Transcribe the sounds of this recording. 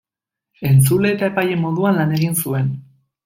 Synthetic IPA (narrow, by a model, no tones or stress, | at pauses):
e̞nt͡sule̞ːt̪ae̞paje̞mo̞ðuanlane̞ɣinsue̞n